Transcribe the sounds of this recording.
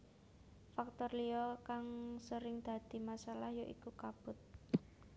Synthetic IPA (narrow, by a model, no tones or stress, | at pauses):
fak̚t̪ɔrliɔkaŋsəɾɪŋd̪̥a̤d̪̥i̤masalahjoʔḭkukab̥ʊ̤t̪̚